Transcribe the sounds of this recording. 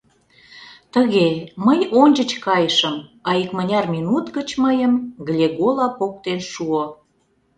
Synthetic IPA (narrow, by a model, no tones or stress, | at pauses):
t̪əɣeməjonʲd͡ʑət͡ɕkɑjəʃəmɑikmənʲɑrmʲinut̪ɡət͡ɕməjəmɣlʲeɣolɑpok̚t̪enʃuo